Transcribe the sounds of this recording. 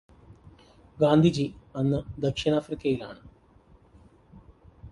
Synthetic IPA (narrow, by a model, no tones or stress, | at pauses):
ɡaːnd̪ʱid͡ʑiɐnːɨd̪ɐkʂinaːfrikʲːɐjila̰ːɳɨ